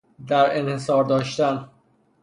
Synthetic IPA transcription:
d̪æɾenhesɒːɾd̪ɒːʃt̪æn

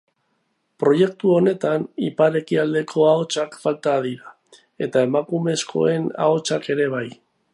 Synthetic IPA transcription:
pɾo̞je̞k̚t̪uo̞ne̞t̪anipaɾe̞kiald̪e̞kʰo̞ao̞t͡ʃakfalt̪aðiɾa | e̞t̪ae̞makume̞skʰo̞̰e̞na̰o̞t͡ʃake̞ɾe̞β̞aj

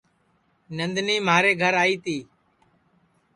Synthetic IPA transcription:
nənd̪niːmaːɾeːɡʱəɾaːiːt̪iː

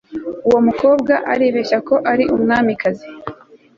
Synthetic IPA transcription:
uwo̞muko̞ːbɡaʔaɾeːβeçako̞ʔaɾiʔumŋaːmikazi

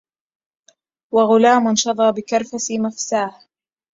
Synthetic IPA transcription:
waɣʊlaːmʊnʃɑðˤɑːbɪkɑɾˤfasimafsaːh

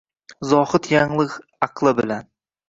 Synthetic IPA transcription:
zɒhɪt̪jaŋlˠɨqɑqʰlˠɪbɪlan

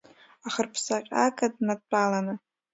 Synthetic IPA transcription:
aχərpʰsaqʲʼa̰kʼadnadt͡pʼalanɨ

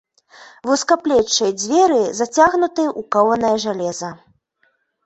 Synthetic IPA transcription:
vuskaplʲɛt͡ʂːɐjd͡zʲvʲɛɾɨzat͡sʲaɣnut̪ɨʔukawɐnɐjɐʐalʲɛzɐ

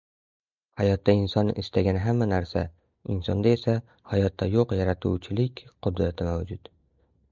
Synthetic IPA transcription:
hajɒt̪ːaɪnsɒnɪ̰st̪aɡʲanɦamːanaɾsa | ɪnsɒnd̪ae̞sa | hajɒt̪ːajoqjaɾat̪ʰṵwt͡ʃʰɪlɪkʲqʰʊd̪ɾat̪ʰɪmawd͡ʒʊd̪

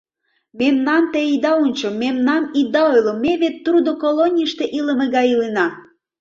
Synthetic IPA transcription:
memnɑnt̪eid̪ɑunʲt͡ɕomemnɑnid̪ɑojlomːeβet̪ːrud̪okolonʲiʃt̪eʔiləmeɣɑjilenɑ

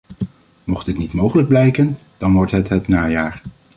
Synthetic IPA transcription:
mɔχtɪtnitmowχələɡ̚blɛjkən | d̥ɑnʋɔɹtɦətɦətnaːjaːɹ

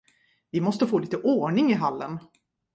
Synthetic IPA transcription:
vɪmɔst̪əfoːliːt̪əʔoːɳɪŋɪɦalːən

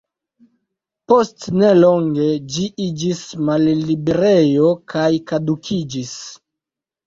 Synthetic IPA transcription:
po̞stne̞lo̞ŋɡe̞d͡ʒiʔid͡ʒismalːibe̞ɾe̞jo̞kʰajkadukʰid͡ʒis

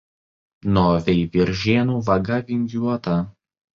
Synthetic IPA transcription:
noːʋʲɛɪʋʲɪɾʲʒʲeːnuːʋɐɡɐʋʲɪŋʲɡjʲuɔt̪ɐ

